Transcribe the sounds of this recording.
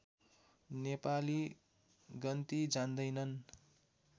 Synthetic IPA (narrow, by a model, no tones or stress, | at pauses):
nepali | ɡʌnt̪id͡zand̪ʌjnʌn